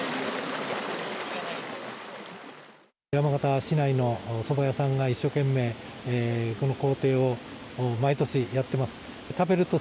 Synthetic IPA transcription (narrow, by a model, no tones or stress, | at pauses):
jamaɡat̪aɕinaino̞so̞bajasãŋɡaiɕːo̞ːkẽ̞mːe̞ː | ko̞no̞ko̞ːt̪e̞ːo̞mait̪o̞ɕijat̪ːe̞masɨ̥ | t̪abe̞ɾɯ̟t̪o̞